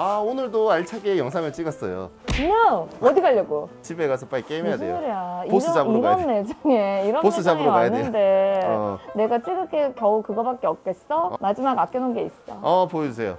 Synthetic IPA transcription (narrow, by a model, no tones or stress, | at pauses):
aonɯɭdoaɭt͡ɕʰaɡejʌŋs̬ʰamjʌt͡ɕ͈iɡʌs͈ʌjo̰kɯɲaŋʌdiɡaʎːʌɡot͡ɕibe̞ɡasʰʌp͈aik͈eimejadejoɯɾeaios͈ɯd͡ʑabɯioɡaʌanːed͡ʑɯŋeiɾʌnpos͈ɯd͡ʑabɯɾokajanende | ne̞ɡat͡ɕ͈iɡɯk͈ekjʌukɯɡʌbak͈̚eʌk̚k͈ess͈ʌmad͡ʑimaɡak͈jʌnonɡe̞is͈t͈aʌpojʌd͡ʑusʰe̞jo̰